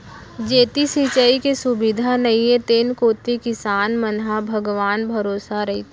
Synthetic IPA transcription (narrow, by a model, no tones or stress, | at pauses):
d͡ʒeːt̪isit͡ʃəikesʊbɪd̪ʱanɐjẽt̪eːnkoːt̪ikɪsaːnmɐnɦabʱɐɡʋaːnbʱɐɾoːsaɾɐɦit̪ʰ